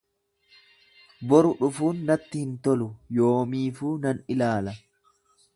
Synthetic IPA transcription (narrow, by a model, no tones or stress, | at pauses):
bɔɾʊᶑʊfuːnːɐt̪ːɪhɪnt̪ɔlʊjoːmiːfuːnɐnɪlaːlɐ